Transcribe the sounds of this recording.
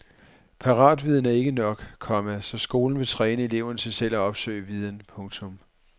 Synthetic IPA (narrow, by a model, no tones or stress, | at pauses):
pʰɑ̈ʁɑ̰̈ːd̥ʋið̞ˠn̩æɐe̝ɡ̥ənɒ̽ɡ̥kʰɒ̽mæsɒ̽sɡ̥o̝ːln̩ʋe̝t͡sʰʁɛːnəe̝le̝ʊ̰ɐnəsʰɑ̈ɪsel̰ɒɒ̽b̥sø̰ɪ̰əʋið̞ˠn̩pʰɔ̽ŋt͡sʰɔ̽m